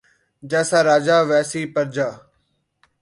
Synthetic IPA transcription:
d͡ʒɛːsaːɾaːd͡ʒaːʋɛːsiːpəɾd͡ʒaː

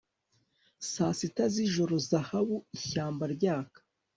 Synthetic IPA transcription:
sasitaziʒo̞ɾo̞zahaβuiçaːmbaɾɟaːkḁ

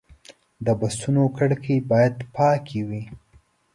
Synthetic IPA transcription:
d̪əbast̪unokaɽkʰibɑjad̪pɑkʰewi

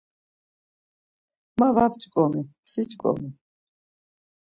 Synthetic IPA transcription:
mavapt͡ʃʼkʼɔmisit͡ʃʼkʼɔ̰mi

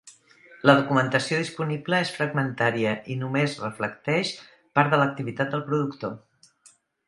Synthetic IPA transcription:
ləðukumənt̪əsioðispunibləesfɾəɡmənt̪aɾiəʔinumezrəfləkt̪ɛʃ | paɾt̪ðələk̚t̪iβit̪at̪̚d̪əlˠpɾuðukt̪o

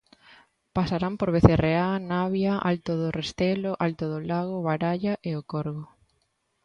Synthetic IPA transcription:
pasaɾampoɾβeθereanaβjaʔa̰lt̪oðʊrʔest̪eloʔalt̪oðʊlaɣ̞oβaɾaʎaʔeokoɾɣo

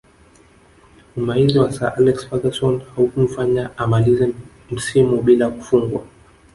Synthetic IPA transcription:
maiziwasaʔalɛksfadasɔnhaukum̩faɲaamalizɛ | m̩simuɓilaku̥fuŋɡwa

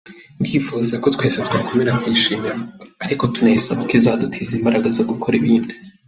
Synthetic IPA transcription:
ndifuzako̞twe̞ːsetwakomeɾakwiːʃiːmiɾaaɾiko̞tuneisaβakizadutʰizimbaɾaɡazoɡukʰoɾiβiːndi

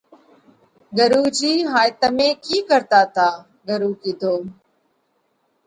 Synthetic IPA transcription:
ɡəɾuːd͡ʒiːɦaːjt̪əmẽːkiːkəɾt̪aːt̪aː | ɡəɾuːkiːd̪ʱoː

